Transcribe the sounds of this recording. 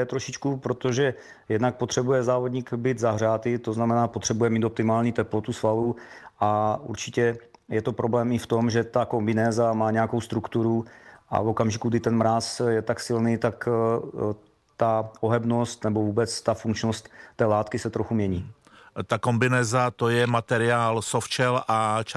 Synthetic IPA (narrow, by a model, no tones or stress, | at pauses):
ɛt̪ɾoʃɪt͡ʃkupɾot̪oʒɛ | jɛd̪nak̚pot̪r̥ɛbujɛzaːvodɲiːkbiːd̪zaɦr̝aːt̪ɪt̪oznamɛnaːpot̪r̝̥ɛbujɛmiːt̪op̚t̪ɪmaːlɲit̪ɛplot̪usvaluʔaṵɾt͡ʃɪcɛ | jɛt̪opɾʔoblɛːmɪft̪o̞mʒɛt̪akombɪnɛːzamaːɲɛjakowst̪ɾukt̪uɾuʔa̰vo̞kamʒɪkuɡdɪt̪ɛnmɾasjɛt̪aksɪlniːt̪ak | t̪aoɦɛbno̞st̪nɛbo̞vuːbɛt͡st̪afuŋkt͡ʃnost̪ːɛːlaːt̪kɪsɛt̪ɾoxumɲɛɲiː | t̪akombɪnɛːzat̪ojɛmat̪ɛɾɪaːlsoft͡ʃɛlʔat͡ʃ